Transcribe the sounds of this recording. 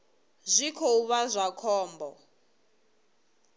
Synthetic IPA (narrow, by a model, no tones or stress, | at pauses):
zʷikʰouβazʷakʰɔːmbɔ